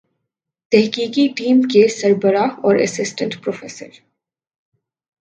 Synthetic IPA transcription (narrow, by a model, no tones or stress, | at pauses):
t̪ɛɦkiːkiʈiːmkesɐɾbəɾaɔːɾɐ̰sɪsʈə̃ɳʈpɾoːfeːsə̰ɾ